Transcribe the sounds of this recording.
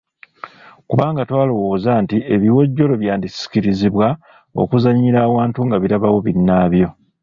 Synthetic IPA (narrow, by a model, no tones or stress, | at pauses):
kuβaːŋɡatwaːlowo̞ːzaːntie̞βiwo̞ɟːo̞lo̞βjaːndisi̥ciɾiziβwa | o̞̰kuzaɲːiɾaːwaːntuŋɡaβiɾaβawo̞βinːaːβjo̞